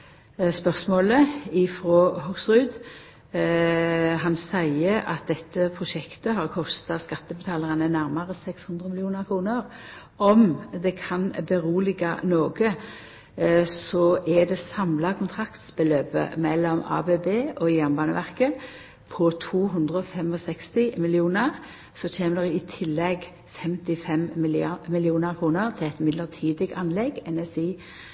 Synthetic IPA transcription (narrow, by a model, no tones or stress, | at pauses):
spœʁsmoːləɪfɾoːhɔɡsʁʉːd̪ | ɦɑnsæɪəʔɑ̰t̪̚d̪ɛt̪ːəpʰʁʊʃɛkt̪əɦɑʁkʰɔst̪ɑskɑt̪ːəbət̪ʰɑːlɑʁɑnənæʁmɑʁəsɛkshʉnd̪ʁəmɪlɪuːnəʁkʰɾuːnəʁ | ɔmd̪ɛkʰɑnbəʁuːlɪɡɑnoːɡə | sɔʔɛd̪ɛsɑmlɑkʰʊnt̪ʰʁɑkt̪sbəløːpə̰mɛlːɔmɑ̰ːbebeːʔɔjæʁnbɑːnəʋæʁkə | pʰɔt̪ʰuːɦɵnd̪ʁəɔfɛmɔsɛkst̪ɪmɪlɪuːnəʁ | sɔt͡ʃeːməd̪ɛʁɛɪt̪ʰɪlːɛɡ | fɛmt̪ɪfɛmɪlmɪlɪuːnəʁkʰʁuːnəʁt̪ʰɪlɛɪt̪mɪd̪ləʁt̪ʰiːd̪əɡɑnlɛɡɛnɛsiː